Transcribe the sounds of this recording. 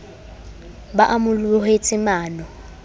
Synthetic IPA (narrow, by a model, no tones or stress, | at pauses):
baʔamʊluhet͡sʼɪmaːnɔ